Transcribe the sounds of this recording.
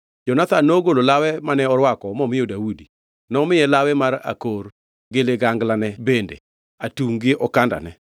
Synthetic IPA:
d͡ʒɔnat̪anːoɡololawɛmanɛɔɾwakɔmɔmɪjɔdawudi | nɔmɪɛlawɛmaɾa̰kor | ɡeleɡaŋɡlanɛbendḛ | atuŋɡɪʔɔkanda̰nɛ

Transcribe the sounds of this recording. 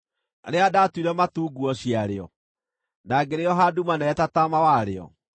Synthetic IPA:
aɾeadatwiɾɛmatuːɡuɔɕiaɾeɔ̰ | naɡeɾeɔɦadumanɛːtatamawaɾeɔ̰

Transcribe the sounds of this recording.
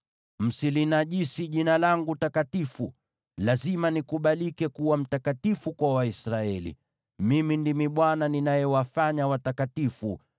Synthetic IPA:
m̩silinaʄisiʄinalaŋɡutakatifu | lazimanikuɓalikɛkuwam̩takatifukwawaisɾaɛlḭ | mimindimiɓwananinajɛwafaɲawatakatifṵ

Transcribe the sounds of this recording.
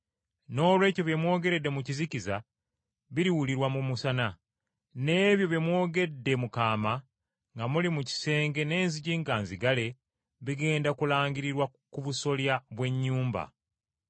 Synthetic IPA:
no̞ːlwe̞ːco̞βjemwo̞ːɡe̞ɾe̞dːe̞muciziciza | βiɾiwuliɾwamumusana | ne̞ːβjo̞βjemwo̞ːɡe̞dːe̞mukaːma | ŋɡamulimuci̥se̞ːŋɡe̞ne̞ːnziɟiŋɡaːnziɡale̞ | βiɡe̞ːndakulaːŋɟiɾiɾwakuβuso̞ljaβwe̞ɲːuːmba̰

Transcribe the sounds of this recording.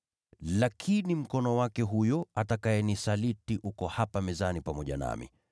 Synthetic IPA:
lakʰinim̩kɔnɔwakɛɦujɔatakaɛnisalitiʔukɔhapamɛzanipamɔʄa̰na̰mḭ

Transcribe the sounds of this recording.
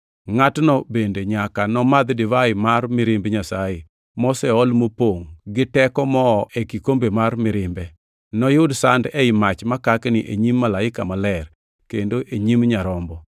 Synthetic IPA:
ŋatnɔbendeɲakanɔmad̪dɪvaɪmarmɪɾɪmbɲasajɪ | mɔsɛɔlmopoŋɡɪtɛkɔmɔʔekikombemarmɪɾɪmbɛ | nɔjʊdsandɛɪmat͡ʃmakaknɪʔḛɲimːalaɪkamalɛr | kendoʔeɲimɲaɾɔmbɔ

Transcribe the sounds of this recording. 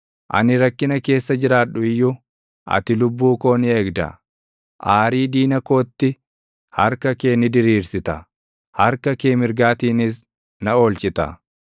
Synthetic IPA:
ʔɐ̰nɪɾɐkːɪnɐke̞ːsːɐd͡ʒɪɾaːᶑʊɪjːʊ | ʔɐ̰t̪ɪlʊbːuːko̞ːnɪe̞ːɡd̪ɐ̰ | ʔaːɾiːd̪iːnɐko̞ːt̪ːɪ | hɐɾkɐke̞ːnɪd̪ɪɾiːɾsɪt̪ɐ̰ | hɐɾkɐke̞ːmɪɾɡaːt̪iːnɪs | nɐo̞ːlt͡ʃɪt̪ɐ̰

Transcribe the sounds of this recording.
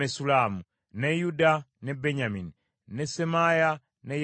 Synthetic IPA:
esulaːmu | nejudanebeɲamini | nesemaja | nej

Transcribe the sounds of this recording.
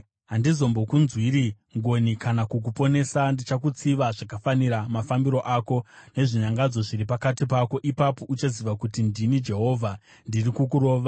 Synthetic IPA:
ɦandizo̞mbo̞kunzwiɾi | ŋɡo̞nikʰanakuk̬upo̞ne̞sandit͡ʃak̬ut͡siʋaʐakafaniɾamafambiɾo̞ʔako̞ne̞ʐiɲaŋɡad͡zo̞ʐiɾipakatip̬ako̞ʔipapo̞ʔut͡ʃaziʋakutindinid͡ʒe̞ɦo̞vʱa | ndirikuk̬uɾo̞ːʋa

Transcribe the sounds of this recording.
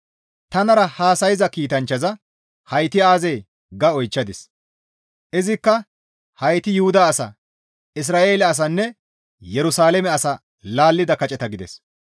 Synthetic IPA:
t̪ɐnɐɾɐhaːsɐjɪzɐkiːt̪ɐnt͡ʃːɐzɐ | hɐjt̪ɪaːzej | ɡɐɔjt͡ʃːɐd̪ɪs | ʔɪzɪkːɐ | hɐjt̪ɪjʊhʊd̪ɐːsɐ̰ | ʔɪs̬ɾaːʔe̞ːlɛɐs̬ɐnːɛ | jɛɾʊsaːlɛmɛɐsɐ | laːlːɪd̪ɐkɐt͡ʃʼɛt̪ɐɡɪd̪ɛ̰s

